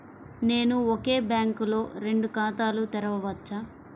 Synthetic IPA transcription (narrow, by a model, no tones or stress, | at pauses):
ne̞ːnuoke̞ːbjaːŋkulo̞ːɾe̞ɳɖukaːt̪aːlut̪ɛɾɐʋɐʋɐt͡ʃːaː